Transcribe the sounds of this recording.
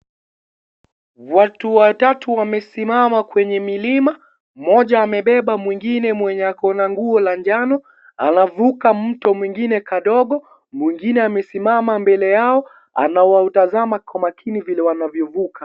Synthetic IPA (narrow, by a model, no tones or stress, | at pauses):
watuwatatuwamɛsimamakwɛɲɛmilima | mɔʄaːmɛɓɛɓamwiŋɡinɛmwɛɲakɔnaŋɡuɔlaɲd͡ʒanɔ | a̰navukam̩tɔmwiŋɡinɛkaɗɔɠɔ | mwiŋɡinɛamɛsimamambɛlɛjaɔ | a̰naɔwautazamakɔmakʰinivilɛwanavjɔvuka